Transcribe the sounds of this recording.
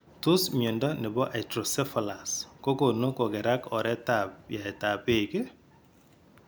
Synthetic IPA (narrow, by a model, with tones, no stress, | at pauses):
tʊ˦smjo˨ndɔ˦nɪ˨bɔ˦ʔa˨tɾo˨sɛ˦fɔ˨la˨sko˦ko˨no˦kɔ˨ɡɛ˨ɾa˦kɔ˨ɾɛ˦ta˨pja˨ɛ˨ta˨pe˦˨ke˦